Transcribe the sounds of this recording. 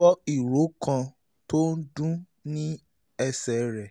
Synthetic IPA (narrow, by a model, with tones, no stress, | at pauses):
ɔ˦i˨ɾo˨˦kã˧ | to˦n̩˦dũ˦ | nĩ˦ | ɛ˧sɛ˨ɾɛ˨